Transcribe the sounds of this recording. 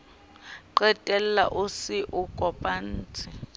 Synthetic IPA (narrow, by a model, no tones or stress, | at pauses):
ǃɛtʼɛlɛla̰ʔusiʔukʼɔpʼan̩ːt͡sʰʼɪ